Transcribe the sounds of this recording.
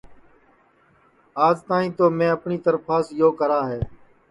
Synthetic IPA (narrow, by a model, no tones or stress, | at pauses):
aːd͡ʒt̪aːɦĩːt̪oːmẽːəpɳiːt̪əɾpʰaːsjoːkəɾaːɦɛː